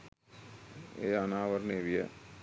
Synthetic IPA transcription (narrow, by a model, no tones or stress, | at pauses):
ḛːanaːʋɐɾneʋijə̰